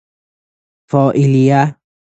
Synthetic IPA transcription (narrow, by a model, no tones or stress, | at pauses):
fɔʔilia